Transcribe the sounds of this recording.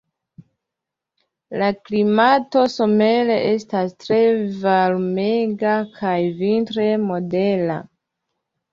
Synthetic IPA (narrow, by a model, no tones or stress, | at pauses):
laklimato̞so̞me̞le̞ʔe̞stastɾe̞valmeɡakʰajvintɾe̞mo̞de̞la̰